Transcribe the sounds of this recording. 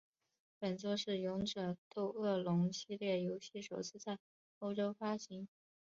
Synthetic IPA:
pə˨˩nt͡swɔ˥ʂɻ̩˥˩jʊ˧˥ŋʈ͡ʂɤ˨˩t̪o˥˧ʊɤ˥˩lʊ˧˥ŋɕi˥˧ljɛ˥˩jo˧˥ʊɕi˥˩ʂo˨˩ʊt͡sʰɹ̩˥˧t͡sa˥˩ɪ | o˥ʊʈ͡ʂo˥ʊfa˥ɕi˧˥ŋ

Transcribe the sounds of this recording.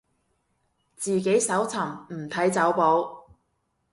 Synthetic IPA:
t͡siː˨ke˨˥jsɐ˨˥wt͡sʰɐ˨˩mm̩˨˩t̪ʰɐ˨˥jt͡sɐ˨˥wpo˨˥w

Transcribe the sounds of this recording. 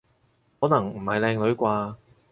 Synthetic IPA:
hɔː˨˥nɐ˨˩ŋm̩˨˩hɐ˨jlɛː˧ŋlɵ˨˧˥ɥkʷaː˧

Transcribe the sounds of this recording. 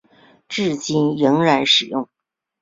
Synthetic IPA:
ʈ͡ʂɻ̩˥˩t͡ɕi˥njɤ˧˥ŋɻa˧˥nʂɻ̩˨˩jʊ˥˩ŋ

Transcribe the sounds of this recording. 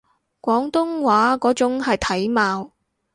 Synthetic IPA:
kʷɔː˨˥ŋt̪ʊ˥ŋwaː˨˥kɔː˨˥t͡sʊ˨˥ŋhɐ˨jt̪ʰɐ˨˥jmaː˨˧w

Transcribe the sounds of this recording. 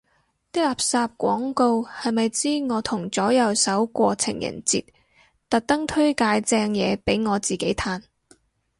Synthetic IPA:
t̪iː˥laː˨p̚saː˧p̚kʷɔ̰ː˨˥ŋko˧whɐ˨jmɐ˨jt͡siː˥ŋɔː˨˧t̪ʰʊ˨˩ŋt͡sɔː˨˥jɐ˨˧wsɐ˨˥wkʷɔː˧t͡sʰɪ̰˨˩ŋjɐ̰˨˩nt͡sḭː˨t̚ | t̪ɐ˨t̚t̪ɐ˥ŋt̪ʰɵ˥ɥkaː˧jt͡sɛː˧ŋjɛː˨˧pe˨˥jŋɔː˨˧t͡siː˨ke˨˥jt̪ʰaː˧n

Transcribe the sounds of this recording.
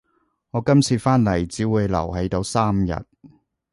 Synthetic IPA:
ŋɔː˨˧kɐ˥mt͡sʰiː˨˧faː˥nlɐ˨˩jt͡siː˨˥wuː˨˧jlɐ̰˨˩wɦe˨˥jt̪o˨˧wsaː˥mjɐ̰˨t̚

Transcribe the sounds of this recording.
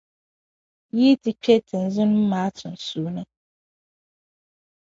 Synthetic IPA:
ji˦ti˨t͡ʃʰᶣe˦tʰɛ̃˨n̩˨˦zɪ˦nʊ̃˦m̩˦mã˨˦tʰʊ̃˨n̩˨su˨˦˨nã˦

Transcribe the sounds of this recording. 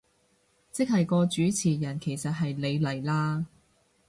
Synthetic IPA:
t͡sɪ˥k̚hɐ˨jkɔː˧t͡ʃyː˨˥t͡sʰiː˨˩jɐ˨˩nkʰe˨˩jsɐ˨t̚ɦɐ˨jle˨˧jlɐ˨˩jlaː˧

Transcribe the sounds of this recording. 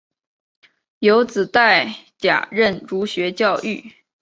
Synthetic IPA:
jo˧˥ʊt͡sɹ̩˨˩t̪a˥˩ɪt͡ɕja̰˨˩ɻə˥˩nʈ͡ʂu˧˥ɕɥɛ˧˥t͡ɕjɑ˥˧ʊʔy˥˩

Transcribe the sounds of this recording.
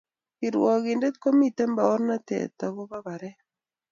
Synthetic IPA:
i˨ɾwɔ˨ɣɪ˨nde˦t̪̚ko˦mi˦˨t̪e˦mba˨ɔ˦ɾna˦t̪ɛ̰˨t̪a˨βɔ˦βa˦βa˨ɾɛ˦

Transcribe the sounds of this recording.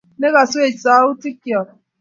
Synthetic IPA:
ne˦ɣa˨so˦e˨sa˨˦u˦ti˦kjɔ˨

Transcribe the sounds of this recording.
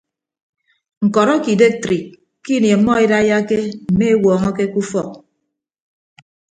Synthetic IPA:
ŋ̩˨kɔ˨ɾɔ˦ki˨de˦k̚tɾi˨ | ki˦nje˨˦mːɔ˦e˦da˦ja˦ke˦m̩˨me˦e˦wɔː˨ŋɔ˦ke˦ku˦fɔ˦˨k̚

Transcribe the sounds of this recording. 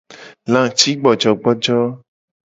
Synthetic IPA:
lã˨t͡ʃi˦ɡ͡bɔ˨d͡ʒɔ˨ɡ͡bɔ˦d͡ʒɔ˦

